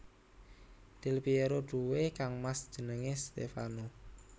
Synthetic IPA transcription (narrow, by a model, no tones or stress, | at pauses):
d̪̥ɪlpieɾoɖ̥uwekaŋmasd̥ʒ̥ə̤nəŋest̪ḛfano